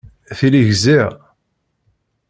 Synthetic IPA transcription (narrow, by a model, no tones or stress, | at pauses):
θiliʝziʁ